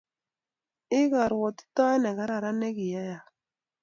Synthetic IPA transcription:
ɪ˦ɣa˨ɾwɔ˨t̪i̥˦ta˦nɛ˨ɡa˦ɾa˨ɾa˦nɛ˦ki˨ja˦ja˨

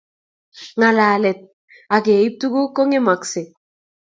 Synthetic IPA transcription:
ŋa˨laː˨lɛ˨t̪̚ | a˨ɡe˨i˦p̚t̪u˦ɡo˦ko˦ŋe˦ma˨kse˨

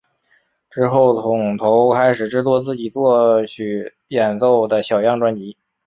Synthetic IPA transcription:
ʈ͡ʂɻ̩˥xo˥˩ʊt͡sʰʊ˧˥ŋt̪ʰo˧˥ʊkʰa˥ɪʂɻ̩˨˩ʈ͡ʂɻ̩˥t͡swɔ˥˧t͡sɹ̩˥˩t͡ɕi˨˩t͡swɔ˥˧˩t͡ɕʰy˧˥˩ | jɛ˨˩nt͡so˥˩ʊd̪ə˩ɕjɑ˨˩ʊjɑ˥˩ŋʈ͡ʂwa˥nt͡ɕi˧˥

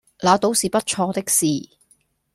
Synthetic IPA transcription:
laː˨˧t̪o˨˥wsiː˨pɐ˥t̚t͡ʃʰɔː˧t̪ɪ˥k̚siː˨˩

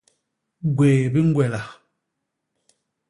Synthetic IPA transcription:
ɡweː˨bi˦ŋ̩˦ɡwɛ˨la˨

